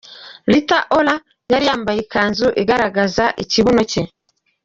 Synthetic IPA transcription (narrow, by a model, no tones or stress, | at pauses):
litaʔola | jaɾijaːmbajikaːnzuʔiɡaɾaɡazaʔiciβonoce